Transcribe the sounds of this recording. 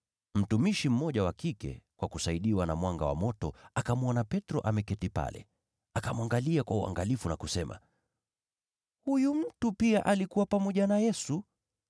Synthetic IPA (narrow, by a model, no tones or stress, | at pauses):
m̩tumiʃim̩mɔʄawakikɛ̰kwakusaiɗiwanamwaŋɡa̰wa̰mɔtɔakamuɔnapɛtɾɔʔamɛkɛtipa̰lɛ̰ | akamuaŋɡaliakwaua̰ŋɡalifunakusɛma̰ | hujum̩tupiaʔalikuwapamɔʄanajɛsu